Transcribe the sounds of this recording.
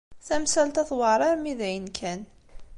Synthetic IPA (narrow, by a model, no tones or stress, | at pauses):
θæmsælt̪æθwəɾˤɑɾmiðæjənkʰæn